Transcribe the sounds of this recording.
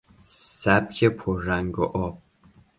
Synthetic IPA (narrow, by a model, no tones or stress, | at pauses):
sæbcʰepʰoɾːæŋɡo̰ʔɒːb̥̚